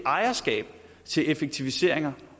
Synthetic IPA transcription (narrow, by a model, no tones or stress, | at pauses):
ʔɑ̈ɪɐsɡ̥ɛ̰ːb̥ | t͡sʰe̝lefeɡ̥̚t͡sʰiʋise̝̰ɐ̰eŋɐ